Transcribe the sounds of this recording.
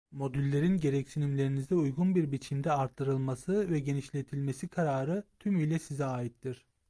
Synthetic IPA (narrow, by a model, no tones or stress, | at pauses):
mo̞d̪ylʲːe̞ɾinɟe̞ɾɛcsinimlʲeɾinizd̪ɛujɡunbiɾbit͡ʃʰimd̪ɛaɾt̪ʰːɯɾɯlˠmasɯvɛɟe̞niʃlʲe̞t̪ʰilʲme̞sikʰaɾaːɾɯt̪ʰymyjlʲɛsizɛaːjit̪ːiɾ̥